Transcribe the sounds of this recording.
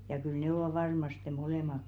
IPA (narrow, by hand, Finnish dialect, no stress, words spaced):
jɑ kyl nĕ oʋɑˑ ʋɑrmɑste moleˑmɑk